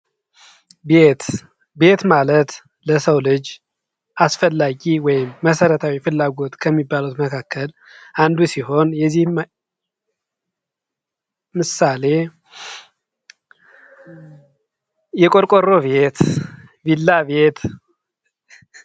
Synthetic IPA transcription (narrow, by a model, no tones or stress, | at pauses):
bet̪ | be̞t̪malət̪ | ləsəwlɨd͡ʒ | ʔasfəlːaɡiwɔjɪmːəsəɾət̪ʰawifɨlːaɡo̞t̪kʰəmːibːalut̪məkʰakʰːəl | ʔand̪usiɦo̞njɛzːih | mɨsale̞ | jɛkʼoɾkʼoɾoβe̞t̪vilːaβe̞t̪